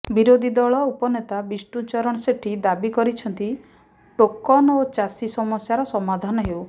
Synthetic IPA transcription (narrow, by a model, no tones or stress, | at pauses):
biɾod̪ʱid̪ɔɭɔupɔnet̪abisʈut͡ʃɔɾɔɽ̃ɔseʈʰid̪abikɔɾit͡ʃʰɔnt̪i | ʈokːɔnɔot͡ʃasisɔmɔsjaɾɔsɔmad̪ʱanɔɦew